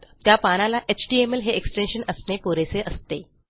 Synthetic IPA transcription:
t̪japañalaʔet͡ɕʈiemelɦeʔeksʈenɕənəsnepoɾeseʔəst̪e

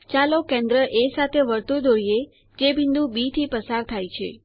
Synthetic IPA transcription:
t͡ʃalokẽnd̪ɾəʔesat̪ʰeʋəɾt̪ud̪oɾije | d͡ʒebʱind̪ũbit̪ʰipəsaɾt̪ʰajt͡ʃʰḛ

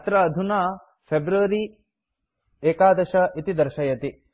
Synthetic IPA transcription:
t̪ɾɐːd̪ʱunaː | pʰebɾuʋɐɾi | eːkaːd̪ɐʃɐʔit̪id̪ɐɾʃɐjɐt̪i

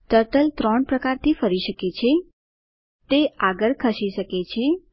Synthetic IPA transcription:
ʈ̪əɾʈəlt̪ɾəɳpɾəkaɾt̪ʰifəɾiʃəket͡ʃʰe | t̪eaɡəɾkʰəʃiʃəket͡ʃʰe

